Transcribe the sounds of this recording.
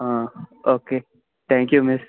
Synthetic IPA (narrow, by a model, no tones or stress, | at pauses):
ɦãoːke | t̪ʰɛ̃ːŋkjumɪs